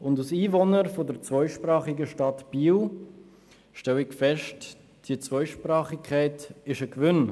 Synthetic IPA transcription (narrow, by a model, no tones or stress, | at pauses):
ʊndusiːvonəɾfodəɾt͡svɔʏʃprɑːχɪɡəʃtɑtb̥iːl | ʃtɛlɪɡfɛʃt | d̥iət͡svɔʏʃpɾrɑːχɪkʰaɪtɪʃəkvʏn